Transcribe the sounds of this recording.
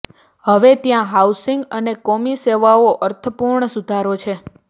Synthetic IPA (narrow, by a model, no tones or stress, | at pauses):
həʋet̪jãɦausiŋɡənekomiseʋaoʔəɾt̪ʰəpuɾɳəsud̪ʱaɾot͡ʃʰe